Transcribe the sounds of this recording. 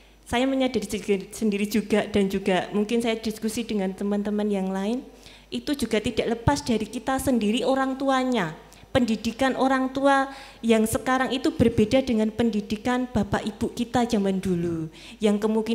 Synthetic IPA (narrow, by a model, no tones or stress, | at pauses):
sajaməɲadaɾssəndiɾid͡ʒuɡad̥and͡ʒuɡamuŋkɪnsajad̥iskusidəŋant̪əmant̪əmanjaŋlaɪn | it̪ud͡ʒuɡ̥a̤ʔt̪id̥aʔləpasd̥aɾikit̪asəndiɾiʔoɾaŋt̪uaɲa | pəndidikanʔoɾaŋt̪ua | jaŋsəkaɾaŋit̪ub̥ərb̥eda̤dəŋanpəndid̥ikanb̥apaʔib̥ukit̪ḁd͡ʒa̤mandulu | jaŋkəmuŋki